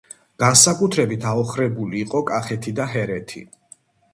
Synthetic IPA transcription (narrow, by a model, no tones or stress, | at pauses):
ɡ̥ansakʼut̪ʰɾɛbit̪ʰaɔχɾɛbuliːqʼɔkʼaχɛt̪ʰid̪aɦɛɾɛt̪ʰḭ